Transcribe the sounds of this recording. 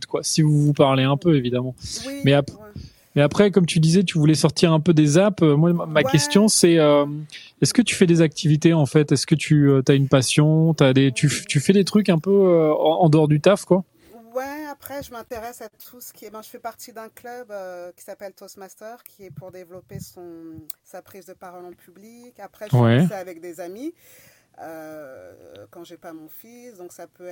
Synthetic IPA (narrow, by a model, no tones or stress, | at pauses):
t̪kwasivuvupaʁleɛ̃pøevid̪amɑ̃mɛap | mɛapχɛkɔmt̪yd̪izɛt̪yvulɛsɔʁt̪iʁɛ̃pød̪ezapømwamakʲɛst̪jɔ̃sɛøm | ɛskət̪y̥fɛd̪ezak̚t̪ʰivit̪eɑ̃fɛt̪ɛskət̪ʰyøt̪yaynpasjɔ̃t̪yad̪et̪yft̪yfɛd̪et̪χyk̬ɛ̃pøøɑ̃d̪əɔʁd̪yt̪afkwa | wɛapχɛʒəmɛ̃t̪eʁɛsat̪ʰusə̥kʲiɛbãʒəfɛpaʁt̪id̪ɛ̃klœbøkʲi̥sapɛlt̪osmast̪œʁkʲʰiɛpuʁd̪evlɔpesɔ̃sapχizd̪əpaʁɔlɑ̃pyblikapχɛʒwɛɛavɛk̚d̪ezami | ø | kɑ̃ʒepamɔ̃fisd̪ɔ̃ksapø